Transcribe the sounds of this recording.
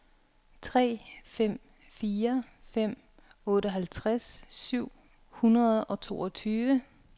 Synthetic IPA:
t͡sʰʁɛ̰ːfem̰ | fiːɐ | fem̰ | ɔ̽ːɾəɦælt͡sʰʁasːyʊ̰ | hunʁɐðˠɒ̽t͡sʰo̝ːɒ̽t͡sʰyːʋə

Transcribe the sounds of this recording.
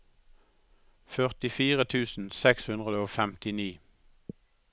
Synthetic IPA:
fœʁt̪ɪfiːʁət̪ʰʉːsn̩sɛkshʉnʁəd̪əoːfɛmt̪ɪniː

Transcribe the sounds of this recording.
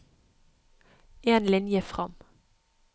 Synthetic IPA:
ʔeːnlɪnjəfʁɑm

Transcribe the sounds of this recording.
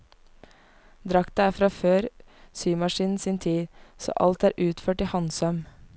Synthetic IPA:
d̪ɾɑkt̪əæːfɾɑːføːɾ | syːmɑʃiːnn̩siːnt̪ʰiːso̰ːʔɑ̰lt̪æːɾʔʉːt̪føːʈihɑnsœm

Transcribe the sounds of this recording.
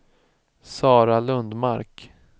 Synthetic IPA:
sɑːɾalɵnd̪maɾk

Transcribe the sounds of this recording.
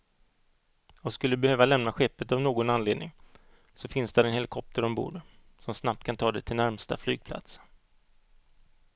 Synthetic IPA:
ɔskɵlːəd̪ɵbɛhøːvalɛmnaɧɛpːət̪avnoːɡɔnanleːd̪nɪŋ | sɔfɪnsd̪ɛɾɛnhɛlɪkʰɔp̚t̪əɾɔmbṵːɖ | sɔmsnap̚t̪̚kʰant̪ʰɑːd̪ɛt̪ʰɪlnæɾmst̪a̰fly̰ːɡ̚pʰla̰t̪s

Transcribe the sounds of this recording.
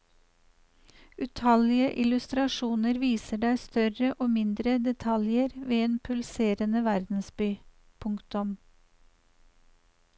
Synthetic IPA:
ʉt̪ʰɑlɪəʔɪlʉst̪ɾɑʃuːnəɾʋiːsəɖæɪst̪œɾəʔoːmɪnd̪ɾəd̪ɛt̪ʰɑljəɾʋeːeːnpʰʉlseːɾənəʋæɾd̪n̩sbyː | pʰʊŋkt̪ʊm

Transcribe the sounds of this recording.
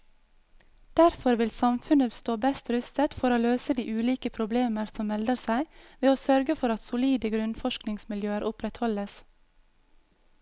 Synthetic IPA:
d̪̥æɾfɔɾʋɪlsɑmfʉnəst̪oːbɛst̪ɾʉst̪ət̪fɔɾoːløːsəd̪iːʔʉːliːkəpʰɾʊbleːməɾsɔmmɛld̪əɾsæɪʋeːoːsœɾɡəfɔɾɑt̪sʊliːd̪əɡɾʉnfɔʃknɪŋsmɪljøːəɾʔʊpɾɛt̪hɔləs

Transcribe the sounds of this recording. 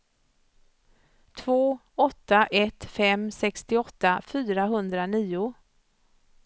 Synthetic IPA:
t̪ʰvoː | ɔt̪ːaʔɛt̪fɛmsɛkst̪ɪɔt̪ːafyːɾaɦɵnd̪ɾaniːʊ

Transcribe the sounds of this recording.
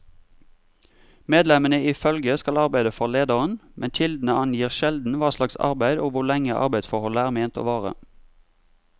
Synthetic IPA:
meːd̪lɛmənəɪfœlɡəskɑlɑʁbæɪd̪əfɔʁleːd̪əʁənmʔɛnc͡çɪld̪n̩əɑnjiːʁʃɛld̪n̩ʋɑːslɑksɑ̰ʁbæɪd̪oːʋʊʁlɛŋəʔɑ̰ʁbæɪd̪sfɔʁhɔləæːʁmeːnt̪o̰ːʋɑːʁə̰

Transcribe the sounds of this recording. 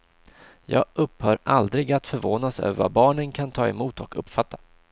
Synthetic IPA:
jɑ̰ːɡɵphœːɾʔald̪ɾɪɡat̪fœɾvoːnasø̰ːvəɾva̰bɑːɳənkʰant̪ʰɑːɛmuːt̪ɔkʰɵpːfat̪ːa

